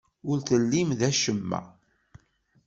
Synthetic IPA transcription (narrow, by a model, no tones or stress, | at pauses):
ʊɾθəlːimðæʃəmːæ̰